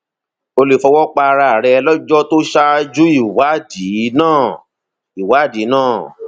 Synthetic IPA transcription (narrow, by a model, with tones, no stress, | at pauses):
o˧le˨fɔ˧wɔ˦k͡pa˧ɾa˧˨ɾɛ˧ɛ˧lɔ˦d͡ʒɔ˦to˦ʃa˦˧d͡ʒu˦i˦˨wa˨˦di˨˦nãː˦˨ | i˨wa˨˦˨di˨˦nãː˦˨